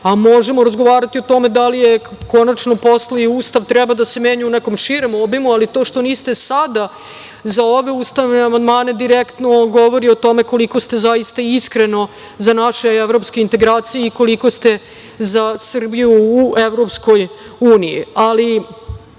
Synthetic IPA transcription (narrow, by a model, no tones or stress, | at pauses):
amo̞ʒemoɾazɡo̞ʋaːɾat̪io̞t̪o̞med̪alijeko̞nat͡ʃno̞po̞sleiuːst̪aʋt̪ɾɛbad̪ase̞meːɲuuneko̞mʂiɾomobimualit̪o̞ːʃt̪o̞niːst̪esad̪a | zao̞ʋe̞uːst̪aʋneamand̪maːne̞d̪iɾekt̪no̞ɡo̞ʋo̞ɾiot̪o̞me̞ko̞liko̞st̪e̞zajist̪aiskɾe̞no̞ | zanaʃeeʋɾo̞pske̞int̪e̞ɡɾaːt̪sijeiko̞liko̞st̪e̞ | zasr̩bijuːeʋɾo̞psko̞j | uːnijḭali